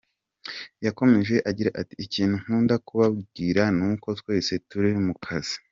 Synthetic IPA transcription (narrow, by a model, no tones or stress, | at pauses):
jako̞me̞ʒeʔaɟiɾaʔati̥ːciːn̥huŋ̥huːndakuβab̚ɡiːɾanuːko̞twe̞ːse̞tuɾimukʰaz̥i̥